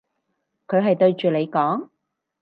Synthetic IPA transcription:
kʰɵ˨˧ɥɦɐ˨jt̪ɵ˧ɥt͡ʃyː˨le˨˧jkɔː˨˥ŋ

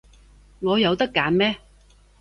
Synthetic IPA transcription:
ŋɔː˨˧jɐ˨˧wt̪ɐ˥kːaː˨˥nmɛː˥

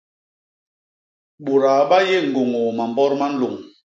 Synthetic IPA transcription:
ɓo˨ɾa˨ɓa˦je˦˨ŋ̩˨ɡo˨ŋo˨ma˨mbɔ˦ɾma˦n̩˦lo˨ŋ

